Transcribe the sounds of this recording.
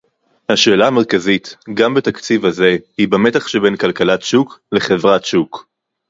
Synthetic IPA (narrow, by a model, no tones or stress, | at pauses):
haʃe̞ːlaːme̞ʁ̞kazitɡambetakt͡sivhaze̞hibame̞taχʃebe̞nkalkalatʃukleχe̞vʁatʃuk